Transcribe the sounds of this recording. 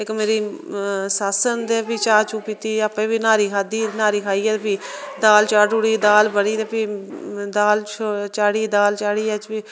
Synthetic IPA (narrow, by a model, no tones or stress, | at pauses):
ɪkmeːɾiːsaːsənd̪eːpiːt͡ʃaːt͡ʃũːpiːt̪iːəpẽːʋiːnaːɾiːkʰaːd̪iːnaːɾiːkʰaːiːɛːd̪piːd̪aːlt͡ʃaːɖuːɽiːd̪aːlbəɽiːd̪eːpiːd̪aːlt͡ʃʰt͡ʃaːɽiːd̪aːlt͡ʃaːɽiːɛt͡ʃpiː